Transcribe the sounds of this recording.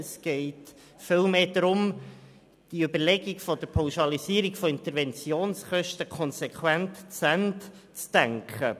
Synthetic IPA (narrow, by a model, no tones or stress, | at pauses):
əsɡ̥ɛɪt | fɪlˠmeːdɾʊm | d̥iøbəɾlɛɡiɡfɔdəɾpʰawʃɑliziːɾiɡfoɪnt̪əɾvɛnt͡sjoːnsχœʃtəkʰχɔnsɛkʰχwɛntt͡sænt | t͡sd̥æŋkχə